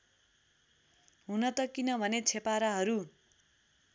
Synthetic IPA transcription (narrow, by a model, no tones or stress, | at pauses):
ɦunʌt̪ʌkinʌbʱʌnet͡sʰepaɾaɦʌɾu